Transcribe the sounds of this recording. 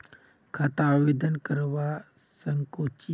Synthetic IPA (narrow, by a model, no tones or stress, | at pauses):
kʰat̪aʋed̪ənkəɾʋa | səŋkot͡ʃi